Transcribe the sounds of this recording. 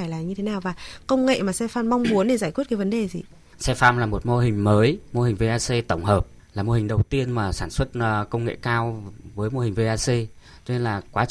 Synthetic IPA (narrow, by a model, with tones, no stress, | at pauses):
aː˧˩jlaː˨˩ɲɨ˧t̪ʰe˨˦naː˨˩wvaː˨˩kə˧wŋ͡mŋḛ˧˨maː˨˩sɛ˧faː˧mma˧wŋ͡mmu˨˦ənɗe˧˩zaː˧˩jkwi˦˥t̚kːvə˨˦nɗe˨˩zi˨˩ | sɛ˧faː˧mlaː˨˩mo˨˩t̚mo˧ɦï˨˩ŋ̟məː˨˦jmo˧hï˨˩ŋ̟ve˧ʔaː˧se˧t̪ə˧˩wŋ͡mhəː˨˩p̚ | laː˨˩mo˧hï˨˩ŋ̟ɗə˨˩wt̪i˧ənmaː˨˩saː˧˩nswə˦˥t̚kə˧wŋ͡mŋḛ˧˨kaː˧wvəː˨˦jmo˧hi˨˩ŋ̟ve˧ʔaː˧se˧ | t͡ɕɔ˧ne˧nlaː˨˩kwaː˨˦